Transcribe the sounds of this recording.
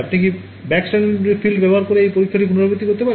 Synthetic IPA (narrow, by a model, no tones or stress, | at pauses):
apniki | bɛksʈanɾefilɖbɛboɦaɾkoɾeejpoɾikʰːaʈ̬ikunoɾobot̪ikoɾt̪̬epaɾ